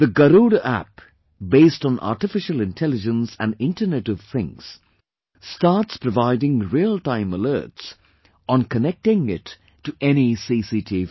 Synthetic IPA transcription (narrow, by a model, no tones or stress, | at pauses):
ð̥əɡəɾuːɾəʔæ̰p̚ | beɪstn̩ʔa̰ːʈɪfɪʃəlɪ̃ntʰɛlɪd͡ʒə̃nsæ̃nɖɪ̃ntənɛʈɔv̥θɪ̃ŋs | staːtspɾəvaɪdɪ̃ŋɹiəltãɪ̃məlɜ̰ːts | ʔə̃nkənɛk̚tɪ̃ŋɪtː | uʔɛnisisitʰi